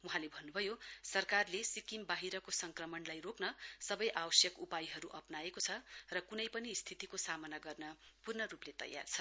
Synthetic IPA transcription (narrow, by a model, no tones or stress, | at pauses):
wuɦãlebʱʌnːubʱʌjosʌrkarlesikimbaɦiɾʌkosʌŋkrʌmʌnlajroknʌsʌbʌjʔawʌsjʌkupajɦʌɾuʔʌpnaekot͡sʰʌrʌkunʌjpʌnist̪ʰit̪ikosamʌnaɡʌrnʌpurnʌɾuplet̪ʌ̰jːa̰rt͡sʰʌ